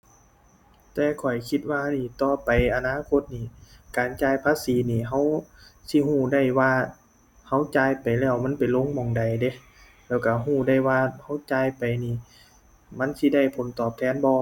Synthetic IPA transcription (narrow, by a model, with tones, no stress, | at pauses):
t̪ɛː˧kʰɔ˨˩jkʰi˧t̪̚waː˧niː˧˩t̪ɔː˧pa˨jʔa˧naː˧˥˨kʰo˧˥t̪̚niː˧˩kaː˨˩nt͡ɕaː˧˩jpʰaː˧˥˨siː˨˦niː˧˩ɦa˧˥˩wsi˧ɦuː˧˩da˧˩jwaː˧ | ha˧˥˩wt͡ɕaː˧jpa˨jlɛː˧˩wma˧˥˨npa˨˩nlo˧˥˨ŋmɔː˨˩ŋda˨˩jde˧˦ | lɛː˧˩wka˧˩ɦuː˧˩da˧˩jwaː˧ha˧˥˩wt͡ɕaː˧jpa˨jniː˧˩ | ma˧˥˨nsi˧˨da˧˩˨jpʰo˨˦nt̪ɔː˨˩p̚t̪ʰɛː˧˥˨nbɔː˧